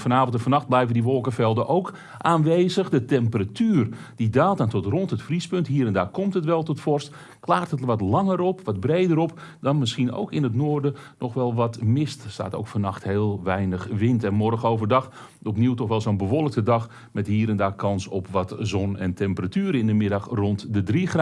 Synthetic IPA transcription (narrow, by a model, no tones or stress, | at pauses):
fɔnaːvntfɔnɑxt̚blɛjvəndiʋɔlˠkəfɛlˠdəʔowk | ʔaːnʋeːzəxdətɛmpəratyːrdidaːlˠtantɔtrɔnthətfrispɵnthiːəɾɛndaːkɔmtətʋɛlˠtɔtfɔrst | klaːrtɦətʋɔtlɑŋəɾɔpʋɔd̚breːdəɾɔp | dɔnmɪsxino̰wkɪnətnoːrdənɔxʋɛlˠʋɔtmɪststa̰ːto̰ːkfɔnɑxtheːlˠʋɛjnəxʋɪntɛnmɔrxəowvərdɑx | ɔpniwtɔxʋɛlˠsonbəʋɔlˠək̚tədɑx | mɛthiːɾɛndaːkʰɑnsɔpʋɔtzɔnɛ̰ntʰɛmpəratyːɾəɪndəmɪdɑxrɔntdədrixra